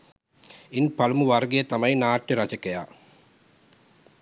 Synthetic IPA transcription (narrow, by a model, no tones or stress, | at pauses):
inpɐlumuʋɐɾɡejət̪ɐmɐjnaːʈjeɾɐd͡ʒɐkejaː